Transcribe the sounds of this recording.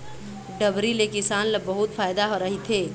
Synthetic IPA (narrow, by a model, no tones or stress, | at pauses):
ɖɐbɾilekɪsaːnlbɐɦʊt̪faːjd̪aɦoɾɐɦit̪ʰeː